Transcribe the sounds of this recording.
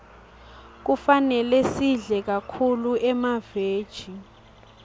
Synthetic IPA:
k̬ufanɛlesiɮɛk̬akʰuluɛmaveːd̥ʒ̥ʱi

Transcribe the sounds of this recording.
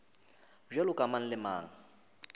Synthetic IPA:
ʒalʊkʼaman̩lɪma̰ːŋa

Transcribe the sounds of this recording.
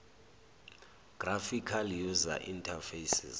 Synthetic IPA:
ɡ̥rafikʰaljuza̰ʔintʰafesḭz

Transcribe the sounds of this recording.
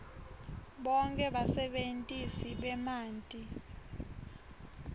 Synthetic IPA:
ɓɔŋkʼɛɓasɛɓentʼisiɓɛmaːntʼi

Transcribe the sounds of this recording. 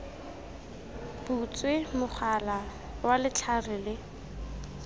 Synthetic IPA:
b̥ut͡sʼwemʊχʰala | walɪt͡ɬʰarɪlɪ

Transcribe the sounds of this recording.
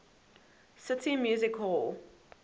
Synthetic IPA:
sɪtʰimjuːzɪkhɔlˠ

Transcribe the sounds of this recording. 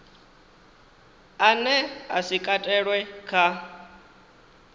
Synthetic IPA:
anɛasikʼatʼɛɺwɛkʰa

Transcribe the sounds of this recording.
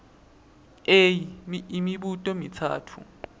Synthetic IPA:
ejimimiɓutʼɔmitʰa̰ːtʰṵ

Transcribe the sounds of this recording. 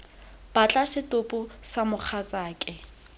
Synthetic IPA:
b̥at͡ɬʼasɪtopʼʊsamʊk͡xʰat͡sʼaːkʼɛ

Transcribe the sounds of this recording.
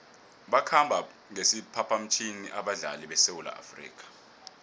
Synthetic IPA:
ɓakʰambʱa | ŋesipʰapʰam̩t͡ʃʰiniʔaɓaɮa̰liɓɛsewula̰ʔa̰frḭːk̬ʰʼḁ

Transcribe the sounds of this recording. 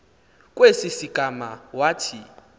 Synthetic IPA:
k̬ʼwesisiɡ̥ʱama̰waːtʰi

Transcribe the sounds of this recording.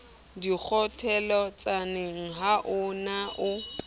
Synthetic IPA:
dik͡xʰɔtʰɛlɔt͡sʼanɪŋ̩ɦaʔʊnaʔʊ

